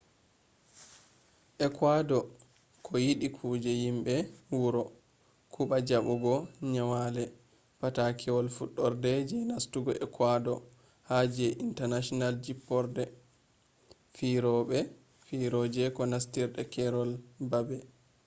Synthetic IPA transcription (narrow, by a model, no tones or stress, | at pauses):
ʔɛkwadɔ | kʰɔjiɗikʰud͡ʒɛjimbɛwuɾɔ | kʰuɓad͡ʒaɓɔɡɔɲawalɛ | patakʰɛwɔlfuɗːɔɾdɛd͡ʒɛnastuɡɔʔɛkwadɔ | had͡ʒɛʔintaɾnaʃɔnald͡ʒipːɔɾdɛ | fiɾɔɓɛ | fiɾɔd͡ʒɛkɔnastiɾɗɛkɛɾɔlbabɛ